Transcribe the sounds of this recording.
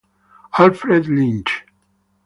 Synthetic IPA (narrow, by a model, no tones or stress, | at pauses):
alfɾed̪lĩnd͡ʒ